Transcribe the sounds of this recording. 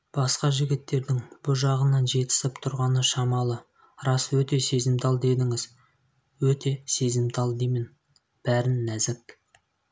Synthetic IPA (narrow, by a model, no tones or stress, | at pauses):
b̥ɑsqɑʒɪɡʲɪt̪ːe̞ɾd̪ɪŋb̥ʊʒɑʁənɑnʒe̞t̪ɪ̥sɪpt̪ʰʊɾʁɑnəʃɑmɑlˠə | ɾɑswɵt̪e̞se̞zɪmt̪ʰɑlˠd̪e̞d̪ɪŋɪz | wɵt̪e̞se̞zɪmt̪ʰɑlˠd̪emɪn | b̥æɾɪnːæzɪk̚